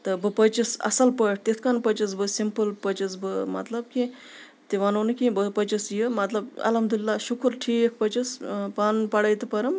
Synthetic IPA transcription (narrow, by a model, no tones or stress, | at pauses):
t̪ɐbəpət͡ʃisɐ̰salpəʈ̚ʰt̪et̪ʰkanpɐt͡ʃɐsbəsimpəlpət͡ʃɐsbəmɐ̰t̪lɐb̚ki | t̪eʋanoːnɨkʲibəpɐt͡ʃɐsjəmɐt̪lɐbɐ̰lɐmd̪ulʲlːaʃukʰuɾʈʰik̚ʰpɐt͡ʃɐspanpɐɽɐjt̪ɐpɐɾɐm